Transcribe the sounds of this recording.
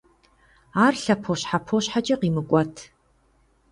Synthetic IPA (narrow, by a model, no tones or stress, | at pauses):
aːrɬɐpʰoɕħapʰoːɕħat͡ʃʼɐqiːmɨkʷʼɔtʰ